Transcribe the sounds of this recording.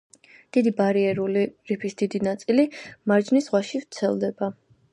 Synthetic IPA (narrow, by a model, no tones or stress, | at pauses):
d̪̥id̪ibaɾiɛɾuliɾipʰisd̪̥id̪inat̪sʼilimaɾd͡ʒnisʁwaʃivt̪sʰɛ̰lˠd̪ɛba